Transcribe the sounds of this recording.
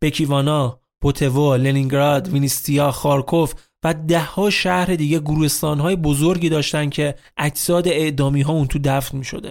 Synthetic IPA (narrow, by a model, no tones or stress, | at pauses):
b̥e̞cʰiːvɒːnɒ | b̥ot̪ʰe̞voleniŋɡɾɒd̪vinist̪ʰiɒːxɒːɾkʰo̞f | væd̪æhːɒːʃæhɾe̞d̪iːɟeɡuɾuːhe̞st̪ɒːnɦɒːje̞bo̞zoɾɟiːd̪ɒːʃt̪ænd̥̪cʰe̞ʔæcʰsɒːd̪e̞eʔd̪ɒːmiːɦɒːuːnt̪ʰud̪æfnmiːʃo̞̰d̪e